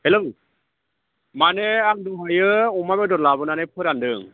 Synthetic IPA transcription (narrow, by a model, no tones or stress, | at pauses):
helɯw | maneaŋduɦajɯɔmabedɔt̚labɯnanepʰɯɾandɯŋ